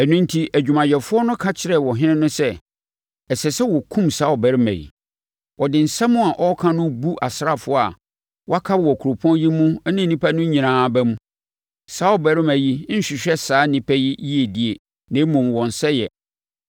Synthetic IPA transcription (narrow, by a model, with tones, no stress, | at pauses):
æ˨nũ˦n˦tʰi˦ʔæ˨d͡ʑᶣu˨mã˨jɛ˨fʊ˦ɔ˦nʊ̃˦kʰã˦t͡ɕʰɪ˨ɾɛ˦˨wɔ˨ɦɪ̃˦nɪ̃˦nʊ̃˦sɛ˦ | ɛ˨sɛ˨sɛ˦wɔ˨kʰũ˦msaː˦ɔ˨bɛ˨ɾɪ˦mæ̰˨jḭ˨ | wʔɔ˨dɪ̃˨n̩˨sɛ̃˦mʊ̃˦a˨ʔɔ˦kʰã˦nʊ̃˦bu˦ʔa˨sɾa˦fʊ˦ɔ˦a˨ | wɔ˦a˦kʰa˦bwɔ˨kʰu˨ɾo˨pʰɔ̃˦nji˦mũ˦nɪ̃˦˨˦nĩ˦pʰæ˦nʊ̃˦ɲĩ˨nãː˨bɛ˦mũ˦ | saː˦ɔ˨bɛ˨ɾɪ˦mæ˨ji˦n̩˦ɕᶣɪ˨ɕᶣɛ˦saː˨˦nɪ̃˦pʰɛ˦ji˦ji˦e˨di˦e˨ | nã˨˦mũ˨mwɔ̃˨n˨sɛ˦jɛ˨